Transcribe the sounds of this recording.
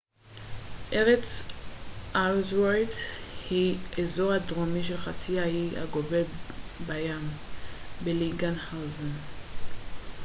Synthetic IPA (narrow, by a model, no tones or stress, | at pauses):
ʔeʁet͡s | ʔalzwadhiezo̞ʁhadʁomiʃelχat͡siahia̰ɡovebajam | beliɡanhawzon